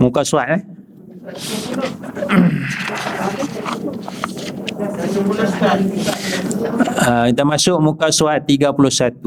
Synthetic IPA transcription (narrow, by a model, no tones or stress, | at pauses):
mũkasuaʔ̪̚lah | ait̪amasʊʔ̚mũkasuat̪ːiɡapulʊsat̪u